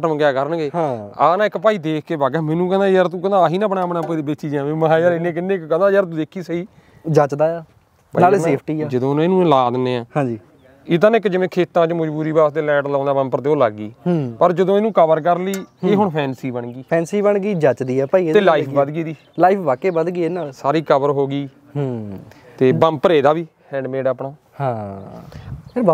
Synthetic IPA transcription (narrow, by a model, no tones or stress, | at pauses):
ʈəmɡɪjaːkəɾənɡeːɦãːaːnãːɪkːpaːiːd̪eːkʰkeːbaːɡɛːmɛ̃ːnũːk̬ɛ̃nd̪aːjəɾt̪ũːkə̃naːɦiːnaːpəɳaːpɳaːpəd̪ebet͡ʃiːd͡ʒãːʋẽməɦãːd͡ʒaːɾɪnːẽːk̬ɪnːẽːkkɛ̃nd̪aːjəɾt̪̬ũːd̪eːkʰiːsəiː | d͡ʒət͡ʃd̪aːɛː | bəaːeːpʰʈiːɛːd͡ʒəd̪õːneːnũːlaːd̪neːãːɦãːd͡ʒiː | ɪt̪anɪkːd͡ʒɪʋẽːkʰeːt̪ãːt͡ʃməd͡ʒbuːɾiːbaːst̪eːlɛ̃ːʈlãːnd̪aːʋə̃mpəɾt̪eːoːlaɡːḭːɦpəɾd͡ʒəd̪õːɪnũːkəʋəɾkəɾliːeːɦʊɳpʰɛːnsiːbəɳɡiːpʰɛ̃ːnsiːbəɳɡiːd͡ʒət͡ʃd̪iːɛːpaːiːet̪eːlaːipʰbəd̪ɡiːd̪iː | laːiːpʰbaːkeːbəd̪ɡiːeːnaːlsaːɾiːkəʋəɾɦoːɡiː | ɦ | t̪eːbəmpəɾeːd̪aːʋiː | hɛ̃ːɳɖmeːɖaːpɳa | hãː | pʰɪɾb